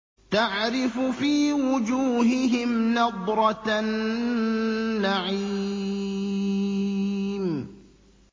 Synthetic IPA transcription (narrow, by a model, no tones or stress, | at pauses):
t̪aʕɾɪfʊfiːwʊd͡ʒuːɦɪɦɪmnɑd̪ˤɾˤɑn | aʕi | m